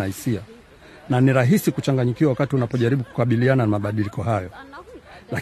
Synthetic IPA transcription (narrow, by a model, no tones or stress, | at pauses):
aisia | naniɾaɦisikut͡ʃaŋɡaɲikiwawakatiunapɔʄaɾiɓuku̥kaɓiliananamaɓaɗilikɔɦajɔ | la